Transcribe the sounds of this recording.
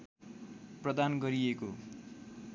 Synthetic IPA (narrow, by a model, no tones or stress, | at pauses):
prʌd̪anɡʌɾieko